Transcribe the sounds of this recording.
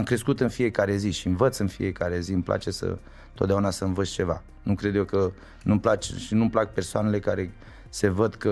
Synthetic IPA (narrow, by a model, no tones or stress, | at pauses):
amkɾe̞skut̪ɨnfije̞kaɾe̞ziʃiɨɱvət̪sɨnfḭje̞kaɾe̞zimplʔa̰t͡ʃe̞sə̰ | t̪ot̪d̪eaunasəɨɱvət̪sʲt͡ʃe̞va̰ | nukɾe̞d̪jewkə | numplat͡ʃʃinumplak̚pe̞rsoane̞le̞kaɾe̞ | se̞vəd̪kə